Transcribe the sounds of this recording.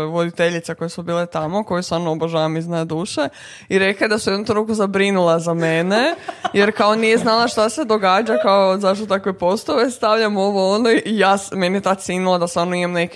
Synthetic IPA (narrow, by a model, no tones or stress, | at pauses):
ʋod̪it̪eʎit̪seko̞jesubiːlet̪amo̞ko̞jesʋaɾnooboʒaʋamiznajd̪uːʃe | iɾe̞kled̪asujed̪nut̪ɾukuzabɾinulˠazamenejeɾkaonijeznalˠaʃt̪ase̞d̪o̞ɡaːd͡ʒakaozaʃ̬t̪ot̪akʋepo̞st̪oʋe̞st̪aʋʎamo̞ʋoonoijaːsmeniet̪at̪sinulˠad̪asʋaːɾnoimamneki